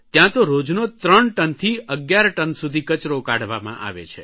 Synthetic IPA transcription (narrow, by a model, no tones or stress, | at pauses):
t̪jãt̪oɾod͡ʒnot̪ɾəɳʈənt̪ʰiəɡjaɾʈənsud̪ʱikət͡ʃɾokaɽ̤ʋamã̰ʔa̰ʋḛt͡ʃʰe